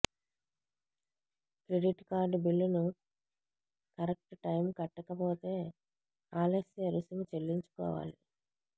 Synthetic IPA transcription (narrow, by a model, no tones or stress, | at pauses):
kɾeɖiʈkaːɾɖbilːunu | kɐɾɐk̚ʈʈɐjmkɐʈːɐkɐpoːt̪e̞ː | aːlɐsiɐɾusɐmit͡ʃe̞lːiɲt͡ʃu̥kɔ̰ːʋa̰ːli